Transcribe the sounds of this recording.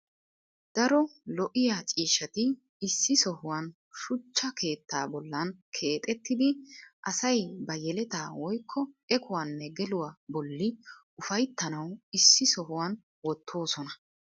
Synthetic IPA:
d̪̥ɐɾɔlɔʔɪjat͡ʃʼiːʃɐt̪ɪ | ɪsːɪsɔhʊwɐn | ʃʊt͡ʃːɐkʰe̞ːt̪ːaːbɔlːɐnkʰe̞ːt̪ʼɛt̪ːɪd̪ɪʔɐsɐjbɐjɛlɛt̪aːwɔjkʰːɔɛkʰʊwanːɛɡɛlʊwaːbɔlːɪ | ʊfɐjt̪ːɐnɐwɪsːɪsɔhʊwan | wɔt̪ʰːo̞ːsɔnɐ

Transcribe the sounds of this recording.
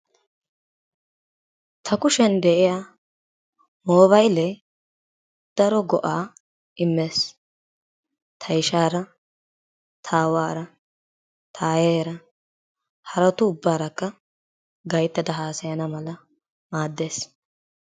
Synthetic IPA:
t̪ʰɐkʊʃɛnd̪ɛʔɪjaː | moːβɐjlɛ | d̪̥ɐɾɔɡɔʔaː | ʔɪmːeːs | t̪ʰɐjʃaːɾɐ | t̪ʰaːwaːɾɐ | t̪ʰaːjeːɾɐ | hɐɾɐt̪ʊʊbːaːɾɐkːɐ | ɡɐjt̪ːɐd̪ɐɦaːsɐjɐnɐmɐlɐ | maːd̪ːe̞ːs

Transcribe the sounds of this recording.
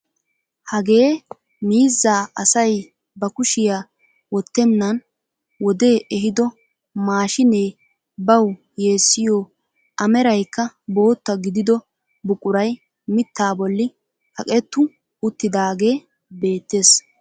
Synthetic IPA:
hɐɡe̞ː | miːzːaːɐsɐj | bɐkʊʃɪjaː | wɔt̪ːɛnːɐn | wɔd̪e̞ːʔɛɦɪd̪ɔ | maːʃɪne̞ː | bɐw | je̞ːsːɪjoː | ʔɐmɛɾɐjkːɐbo̞ːt̪ːɐɡɪd̪ɪd̪ɔ | bʊkʼːʊɾɐj | mɪt̪ːaːbɔlːɪ | kɐkʼɛt̪ːʊ | ʊt̪ːɪd̪aːɡe̞ː | be̞ːt̪ːe̞ːs

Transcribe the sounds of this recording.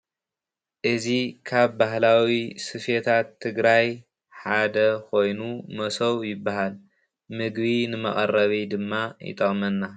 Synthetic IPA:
ʔɨzikʰaβbaɦlawisɨfet̪ʰat̪ʰːɨɡɾaj | ħad̪ɐkʰo̞jnumɐsɐwjɪbːaɦal | mɨɡβinɨmɐ̰χʼɐ̰rːɐβid̪ɨmːajɪ̰t̪ʼɐχʼmɐnːa

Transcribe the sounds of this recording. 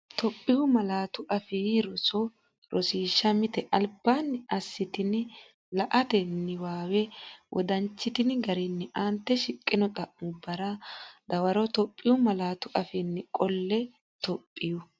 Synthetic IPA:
t̪ʰɔpʼːɪwʊmɐlaːt̪ʊʔɐfiɾɔsɔ | ɾʔɔsiːʃːɐmɪt̪ɛʔɐlbːanːɐsːɪt̪ɪn | lɐʔɐt̪ɛnːɪwaːwɛwʔɔ̰d̪ɐnt͡ʃːɪt̪ɪnɡɐɾɪnːɪʔant̪ːɛʃɪkʼːɪnɔkʼɐʔːʊbɐɾɐd̪ɐwɐɾɔt̪ɔpʼːɪjʊmɐlaːt̪ʊʔɐfɪnːɪkʼɔlːɛ | t̪ɔpʼːɪjʊ

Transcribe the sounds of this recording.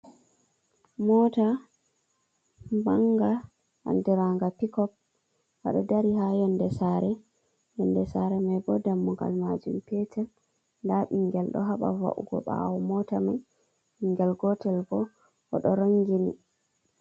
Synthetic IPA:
mɔta | maŋɡa | ʔa̰ndɛɾaŋɡapikɔp̚ | wa̰ɗadaɾihajɔndɛsaɾɛ | jɔndɛsaɾɛmajɡɔdamːuŋɡa̰lmad͡ʒumpɛtɛl | ndaɓiŋɡɛlɗɔ̰ɦaɓa̰va̰ʔṵɡɔ̰ɓa̰wɔmɔtamaj | iŋɡɛlɡɔtɛlbɔ | ɔɗɔɾaŋɡinḭ

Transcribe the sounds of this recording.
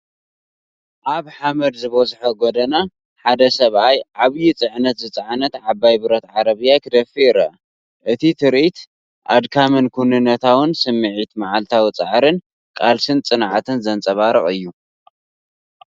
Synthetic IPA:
ʔaβħamɐd̪zɨβosħɐɡod̪ɐna | ħad̪ɐsɐβajʕaβjit͡sʼɨʕnɐt̪zɨt͡sʼɨʕnɐt̪ʕabajbɨɾɐt̪ʕaɾɐβɨjakʰɨd̪ɐfiɾɐ | ʔɨt̪ʰit̪ʰɨɾʔit̪ | ʔad̪kʰamɨnkʰunɨnːɐt̪ʰawɨnsɨmːɨʕit̪maʕalt̪ʰawit͡sʼaʕɾɨn | kʼalsɨnt͡sʼɨnʕat̪ʰɨnzɐnt͡sʼɐβaɾɨχʼɨjːu

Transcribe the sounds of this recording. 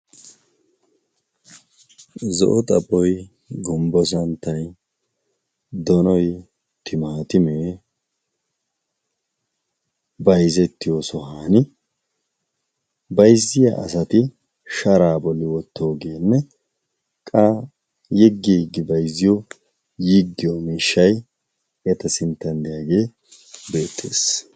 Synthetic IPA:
zɔ̰ʔɔt̪ʼɐpʼːɔj | ɡɔmbɔs̬ɐnt̪ːɐj | d̪ɔnɔj | t̪ɪmaːt̪ɪmeː | bɐjzɛt̪ːɪjosɔhaːnɪ | bɐjzːɪja̰ʔɐ̰sɐt̪ɪ | ʃɐɾaːbɔlːɪwɔt̪ːoːɡeːnːɛ | kʼa | jɛɡːiːɡːɪbɐjzːɪjo | jiɡːɪjomiːʃːɐj | ɛt̪ɐsɪnt̪ːɐnd̪ɪjaːɡe̞ː | be̞ːt̪ːḛːs

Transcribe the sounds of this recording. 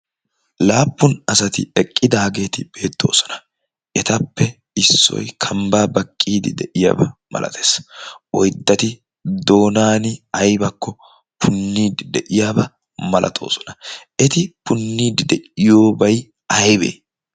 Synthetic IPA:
laːpːʊnɐsɐt̪ɪɛkʼːɪd̪aːɡe̞ːt̪ɪb̥e̞ːt̪ʰːo̞̰ːsɔ̥nɐ̥ | ʔɛt̪ɐpːɛ | ɪsːɔ̰jkʰɐmbaːbɐkʼːiːd̪ɪ̰d̪ɛʔɪja̰ːbɐmɐ̰lʔɐ̰t̪ʰe̥ːsɔjd̪ːɐt̪ɪ | d̪o̞ːnaːnɪɐjbɐkːɔ | pʰʊnːiːd̪ɪd̪ɛʔɪjaːbɐ | mɐlʔɐ̰t̪ʰo̞̰ːsɔ̥nɐʔɛt̪ɪpʊnːiːd̪ɪd̪ɛʔɪjo̞ːbɐj | ɐjbḛː

